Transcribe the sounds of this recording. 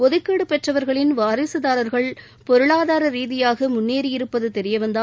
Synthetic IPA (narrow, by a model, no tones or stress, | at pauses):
ɔðɯkːeːɽɯpɛʈrɐʋɐɾɣɐɭɪnʋaːɾɪsɯðaːɾɐɾɣɐɭ | pɔɾɯɭaːðaːɾɐɾiːðɪjaːɣɐmʊnːeːɾɪjɪɾɯpːɐðɯt̪ɛɾɪjɐʋɐnd̪a